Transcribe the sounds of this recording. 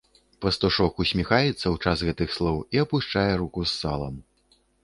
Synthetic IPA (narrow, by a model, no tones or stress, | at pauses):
pɐst̪uʂɔkusʲmʲixajɛt̪sːɐwt͡ʂasɣɛt̪ɨxslˠɔwiɐpuʂt͡ʂajɛɾukusːa̰lˠɐ̰m